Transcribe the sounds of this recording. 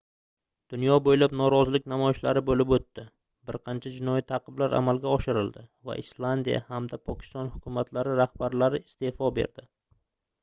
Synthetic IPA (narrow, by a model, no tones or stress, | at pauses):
d̪̥ʊnjɒbojlapnɒɾɒzɪlɪk̚ʲnamɒjɪʃlaɾɪbolɪpot̪ːɪ | bɪɾqʰɑnt͡ʃʰad͡ʒɪnɒjit̪ʰɑqʰɨblaɾʔa̰malˠɡʲaɒʃɪɾɪld̪ɪva̰ʔɪslˠand̪ija̰hamd̪apʰɒkʲʰɪ̥st̪ɒnhʊkʲʰʊmat̪ʰlaɾɪɾahbaɾlaɾɪɪst̪e̞fɒbḛɾd̪ɪ